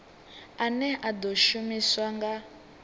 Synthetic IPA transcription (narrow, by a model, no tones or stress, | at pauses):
anɛad̪ɔʃumiswaŋɡa